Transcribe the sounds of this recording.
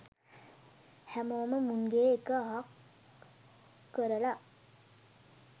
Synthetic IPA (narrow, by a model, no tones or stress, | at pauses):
hæmoːməmunɡeːekəaɦak | əɾəla